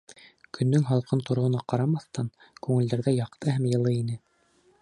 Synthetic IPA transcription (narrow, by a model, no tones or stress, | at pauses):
kʰɵ̆nːɵŋɦɑlˠqɤnt̪ŏɾŏŏnɑqɑɾɑmɑθt̪ɑn | kʉŋɘ̆ld̪æɾðæjɑqt̪ɤɦæmjɤ̆lˠɤinɘ